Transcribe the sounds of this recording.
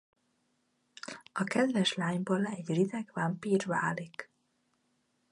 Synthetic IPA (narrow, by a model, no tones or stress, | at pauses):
ɒkɛd̪vɛʃlaːɲboːlɛɟrid̪ɛɡvɒmpiːrva̰ːlik